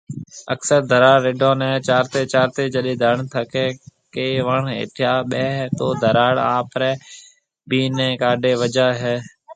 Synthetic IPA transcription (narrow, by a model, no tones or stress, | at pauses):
əksəɾd̪ʱəɾaːɽɪɖʱõːnɛ̃ːt͡ʃaːɾt̪eːt͡ʃaːɾt̪eːd͡ʒəɗẽːd̪ʱəɳt̪ʰəkɛːkeːʋəɳɦḛːʈʰɪjaːɓɛːɦt̪oːd̪ʱəɾaːɽaːpɾɛ̃ː | biːnɛ̃ːkaːɖʱeːʋəd͡ʒaːɦɛː